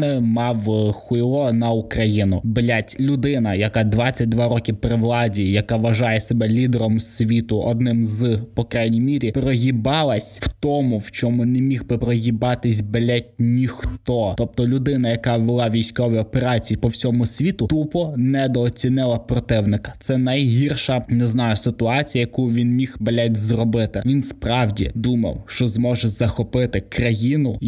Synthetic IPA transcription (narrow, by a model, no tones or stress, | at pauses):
ɪmɑwxɪlˠɔnɐʊkɾɐjinʊblʲatʲlʲʊd̪ɪnɐjɐkɑd̪ʋat͡sʲːɐt̚ʲd̪ʋɑɾɔkʲipɾɪʋlˠɑdʲijɐkɑʋɐʒɑjɛsebɛlʲid̪ɛɾɔmsʲʋʲit̪ʊʔɔd̪nɪmzpɔkɾajnʲimʲiɾʲipɾɔɦʲibɑlˠɐsʲwt̪ɔmʊwt͡ʃɔmʊnɛemʲiɣbɪpɾɔɦʲibɑt̪ɪsʲbelʲatʲnʲixt̪ɔt̪ɔp̚t̪ɔlʲʊd̪ɪnɐjɐkɑʋɪlˠɑʋʲijsʲkɔʋɐjɔpeɾɑt͡sʲijipɔwsʲɔmʊsʲʋʲit̪ʊt̪upɔnɛd̪ɔːt͡sʲinɪlˠɐpɾɔt̪ɪwnɪkɐ̥t̪sɛnɐjɦirʃɐnɛznɑjʊsɪt̪ʊɑt͡sʲijɐjɐkujʊʋʲinmʲixbelʲɛtʲzrɔbɪt̪ɪʋʲinspɾɑwdʲḭd̪umɐ̰wʃt͡ʃɔzmɔʒɛzɐxɔpɪt̪ɪkɾɐjinʊ